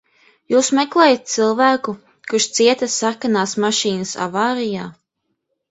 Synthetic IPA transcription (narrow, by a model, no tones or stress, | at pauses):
juːsmɛklˠɛːjat̪̚t̪silˠvæːku | kuʃt̪siɛt̪ɐsakanaːsmaʃiːnɐsa̰vaːɾijaː